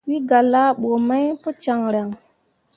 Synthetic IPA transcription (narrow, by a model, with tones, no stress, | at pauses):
wi˦ɡa˨la˦ɓo˨ma˦jpo˦t͡ʃa˨ŋɾa˨ŋ